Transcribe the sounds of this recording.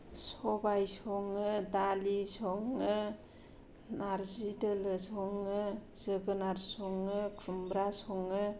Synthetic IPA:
sɔbajsɔŋɯdalisɔŋɯ | naɾzidɯlɯsɔŋɯz̥ɯɡɯnaɾsɔŋɯkʰɾumbɾasɔŋɯ

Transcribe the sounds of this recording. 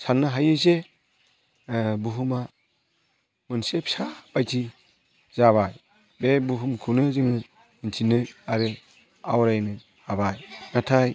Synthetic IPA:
sanːɯɦajɯze | buɦuma | mɯnsepsab̥ajtʰi | z̥aβaj | bebuɦumkʰunɯzɯŋnɯ | intʰinɯaɾɯ | awɾajnɯ | abajnatʰaj

